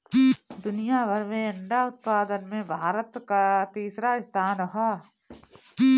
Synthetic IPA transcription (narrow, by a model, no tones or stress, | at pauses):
d̪ʊnijaʋəɾmẽɐɳɖaʊt̪̚paːd̪ənmẽbʱaːɾət̪kat̪iːsɾaɪst̪ʰaːnɾɐɦaː